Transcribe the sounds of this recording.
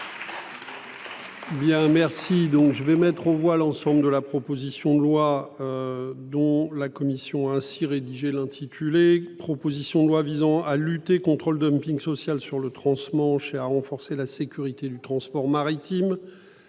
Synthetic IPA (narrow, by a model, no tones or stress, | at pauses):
bjɛ̃mɛʁsid̪ɔ̃kʒəvɛmɛt̪χõvwalɑ̃sɑ̃bləd̪əlapχɔpozisjɔ̃d̪əlwaød̪ɔ̃lakɔmisjɔ̃aɛ̃siʁed̪iʒelɛ̃t̪ʰit̪ʰylepχɔpozisjɔ̃d̪əlwavizɑ̃alyt̪ekɔ̃t̪χold̪ɔmpĩŋɡsɔsjalsyʁlət̪χɑ̃smɑ̃ʃeaʁɑ̃fɔʁselasekʲyʁit̪ed̪yt̪χɑ̃spɔʁmaʁit̪im